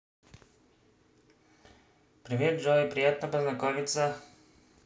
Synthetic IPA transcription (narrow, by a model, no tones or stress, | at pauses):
pɾivɛt̪̚d͡ʒɔipɾijat̪nəpəznɐkɔvit̪sə